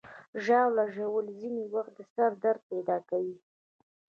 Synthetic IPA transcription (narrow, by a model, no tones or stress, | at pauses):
ʒɑwlaʒawəlzinewaxt̪̚d̪əsaɾd̪aɾd̪̚pɛd̪ɑkawi